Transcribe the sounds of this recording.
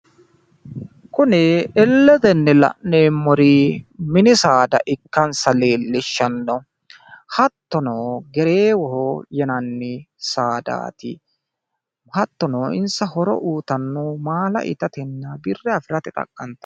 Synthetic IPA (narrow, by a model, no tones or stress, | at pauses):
kʊnɪɛlːɛd̪ɛnːɛlɐ̰ʔeːmːɔɾimɪnɪsaːd̪ɐ̰ʔɪkːɐnsɐle̞ːlːɪʃːɐnːɔ | hɐt̪ːɔnoːɡɛɾeːwɔɦɔjɛnɐnːɪsaːd̪a̰ːt̪ɪ̰ | hɐt̪ːɔnoːɪ̰nsɐhɔɾɔ̰ʔuːt̪ɐnːomaːlɐ̰ʔɪ̰t̪ɐt̪ɛnːɐbɪrːɛɐfɪɾɐt̪ɪt̪ʼɐ̰kʼːɐnt̪ɐ̥